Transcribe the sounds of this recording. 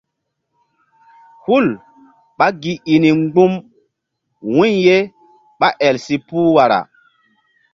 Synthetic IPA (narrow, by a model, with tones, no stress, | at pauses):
hu˦˨l | ɓa˦ɡi˨i˨ni˨ŋɡ͡bu˦m | wũ˦ɲje˦ | ɓa˦ʔɛ˨lsi˨puː˦wa˨ɾa̰˨